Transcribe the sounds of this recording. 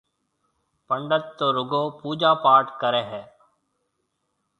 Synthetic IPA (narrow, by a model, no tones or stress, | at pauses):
pəɳɖət̪ːoːɾʊɡoːpuːd͡ʒaːpaːɾʈkəɾeːɦɛː